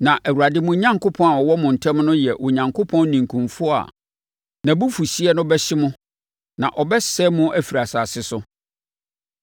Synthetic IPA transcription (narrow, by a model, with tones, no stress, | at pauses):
nã˨ʔæ˨wu˨ɾa˨dɪ˦mʊ̃˦ɲã˦ŋkʰo˦pʰɔ̃˦na˨wɔ˨wɔ˦mʊ̃˨n̩˨tʰɛ̃˦mnʊ̃˦jɛ˨ʔʊ˨ɲã˨ŋkʰo˦pʰɔ̃˦nː˦ĩ˨ŋkʰũ˨mfʊ˦a̰˨ | nã˨bu˦fu˨ɕi˦ɛ˦nʊ̃˦bɛ˦ɕɪ˦mʊ̃˦ | nã˨ʔɔ˨bɛ˦sɛ˦mʊ̃˦ʔæ˦fi˨ɾa˨saː˨sɪ˦sʊ˦